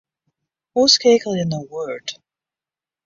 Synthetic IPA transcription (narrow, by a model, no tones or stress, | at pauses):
wɔskʰeɪkl̩ˠɪ̃nðəwɜ˞d̥